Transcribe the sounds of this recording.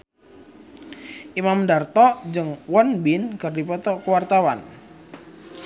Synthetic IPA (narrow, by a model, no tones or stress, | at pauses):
ʔimamdart̪ɔd͡ʒɨŋwɔnbinkɨrdipɔt̪ɔkəwart̪awan